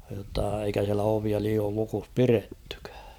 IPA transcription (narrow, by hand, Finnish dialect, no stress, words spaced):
jotːɑ eikæ siælæ oʋiɑ liːoːl lukus piretːẙkæ̥ː